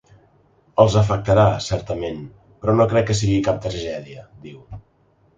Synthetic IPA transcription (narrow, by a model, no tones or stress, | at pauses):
əlˠzəf̬ək̚t̪əɾasɛɾt̪əmen | pɾɔnokɾɛkːəs̬iɣikap̚t̪ɾəʒɛðiəd̪iw